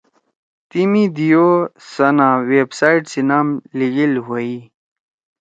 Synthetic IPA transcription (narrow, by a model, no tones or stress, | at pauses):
t̪imid̪ijosɐnãweːbsaːiʈsinaːmliɡilɦoi